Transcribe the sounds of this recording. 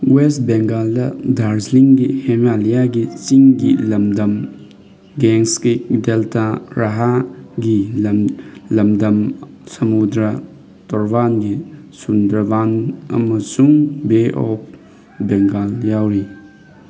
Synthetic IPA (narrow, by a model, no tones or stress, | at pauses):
westbeŋɡaldɐdʱaɾsliŋɡihemalijaɡit͡ʃiŋɡilɐmdɐm | ɡeŋskideltʰaɾaɦaɡiɐmlɐmdɐm | sɐmudɾɐ | tɔɾbanɡisundɾɐbanɐ̰mɐsuŋbeʔɔp̚ʰ | beŋɡaljawɾi